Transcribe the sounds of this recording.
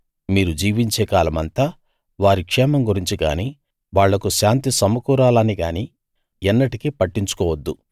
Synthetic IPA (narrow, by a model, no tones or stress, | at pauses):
miːɾud͡ʒiːʋiɲt͡ʃeːkaːlɐmɐnt̪aː | ʋaːɾikʂɛːmɐmɡuɾiɲt͡ʃiɡa̰ːniː | ʋaːɭːɐkuʃaːnt̪isɐmɐkuːɾaːlɐniɡaːniː | ɛnːɐʈikipɐʈːiɲt͡ʃu̥kɔːʋɐd̪ːu